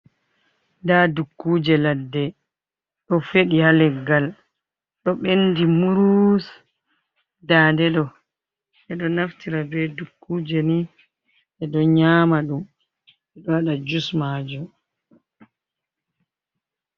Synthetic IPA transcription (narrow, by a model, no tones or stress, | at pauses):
dadukːuːd͡ʒɛladːɛ | ɗɔfeɗihalɛɡal | ɗɔɓendimuɾus | dadɛɗɔ | ʔɛɗɔnaftiɾabɛdukːuːd͡ʒɛni | ʔɛɗɔɲaːmaɗum | ɛɗɔwaɗad͡ʒusmaːd͡ʒɔ